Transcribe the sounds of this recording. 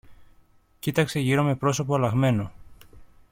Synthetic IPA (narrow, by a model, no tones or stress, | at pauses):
cit̪ɐkse̞ʝiɾo̞me̞pɾo̞so̞poɐlɐɣme̞no̞